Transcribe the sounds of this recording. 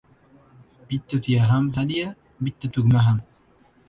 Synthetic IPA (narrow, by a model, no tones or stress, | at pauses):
bit̪ːot̪ijaɦamɦad̪ija | bit̪ːət̪uɡmaɦam